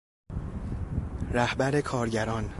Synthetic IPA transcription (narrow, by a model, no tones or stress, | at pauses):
ræhbæɾe̞kʰɒːɾɟæɾɒːn